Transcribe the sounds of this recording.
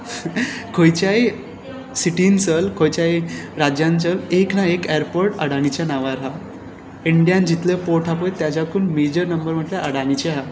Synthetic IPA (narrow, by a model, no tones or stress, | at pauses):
kʰojt͡ɕaj | siʈint͡səlkʰojt͡ɕajɾad͡ʑjant͡səleknaekeɾpoɾʈə̰ɽaɽ̃it͡ɕjanaʋaɾɦa | iɳɖijãnd͡ʑit̪lepoɾʈʰapəjt̪jad͡ʑakʰuːnmed͡ʑəɾnəmbəɾm̤əʈleʔəɽaɽ̃it͡ɕeɦa